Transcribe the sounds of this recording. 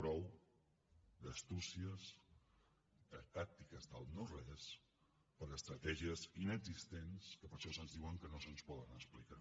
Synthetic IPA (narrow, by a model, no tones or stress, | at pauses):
pɾɔw | d̪əst̪usiəz | d̪ət̪ak̚t̪ikəzðəlˠnorɛs | pəɾəst̪ɾət̪ɛʒiəzinəɡzist̪enskəpəɾʃɔsənzðiwəŋkənosənspɔðənəsplika